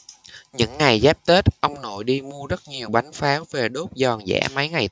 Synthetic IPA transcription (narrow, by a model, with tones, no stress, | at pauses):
ɲɨ̰˧˥ŋːa˨˩jzɛː˦˥p̚t̪e˦˥t̚ʔə˧wŋ͡mno̰˧˨jɗi˧mu˧əzə˦˥t̚ɲi˨˩əwɓa˨˦jŋfaː˨˦wve˨˩ɗo˦˥p̚zɔ˨˩nzɛ̰ː˧˥mə˨˦jŋa˨˩j